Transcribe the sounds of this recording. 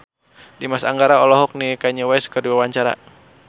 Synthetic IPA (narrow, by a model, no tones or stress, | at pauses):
dimasaŋɡaɾaɔlɔɦɔk̚nikaiɲawɛskərdiwawaɲt͡ʃaɾa̰